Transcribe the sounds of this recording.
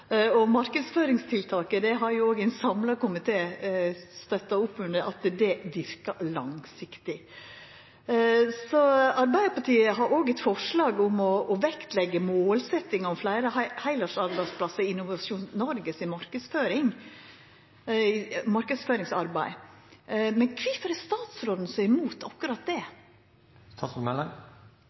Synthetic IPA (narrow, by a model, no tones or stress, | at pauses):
ɔmɑɾkəsføːɾɪŋst̪ʰɪlt̪ʰɑːkəd̪ɛɦɑɾjʊoːɡɛɪnsɑmlɑkʊmɪt̪ʰeː | st̪œt̪ːɑʊpːʉnd̪əʔɑt̪d̪ɛʋɪɾkəlɑŋsɪkt̪ɪ | sɔɑɾbæɪəɾpɑʈʰiːəɦɑɾoːɡɛt̪fɔʂɭɑːɡʊmɔːʋɛkt̪lɛɡːəmoːlsɛt̪ːɪŋɑɔmflæɪɾəhæɪlɑʂɑɾbæɪspʰlɑsəɾɪnːʊʋɑʃuːnnɔɾɡəsɪmɑɾkəd̪sføːɾɪŋ | mɑɾkəsføːɾɪŋsɑɾbæɪ | mɛnkʰʋɪfəɾɛst̪ɑːt̪sɾoːd̪n̩sœmuːt̪ʰɑkːʉɾɑt̪̚d̪ɛ | st̪ʰɑsɔmɛlɑŋ